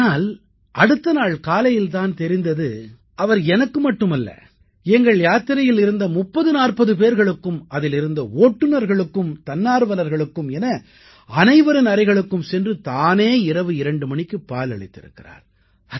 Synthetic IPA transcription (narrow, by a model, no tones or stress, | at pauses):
naːl | ʔɐɽɯt̪ːɐnaːɭkaːlɐjɪlt̪aːnt̪ɛɾɪnd̪ɐðɯ | ɐʋɐɾɛnɐkːɯmɐʈːɯmɐlːɐ̰ | ɛŋɡɐɭjaːt̪ːɪɾɐjɪlɪɾɯnd̪ɐmʊpːɐðɯnaːrpɐðɯp̬eːɾɣɐɭɯkːɯmɐðɪlɪɾɯnd̪ɐoːʈːɯnɐɾɣɐɭɯkːɯmt̪ɐnːaːɾɯʋɐnɐɾɣɐɭɯkːɯmɛnɐ | ɐnɐɪʋɐɾɯnɐɾɐɪɣɐɭɯkːɯmsɛndrɯt̪aːneːɪɾɐʋɯɪɾɐɳɖɯmɐɳɪkːɯpːaːlɐɭɪt̪ːɪ̰ɾɯ̰kːɪra̰ːɾ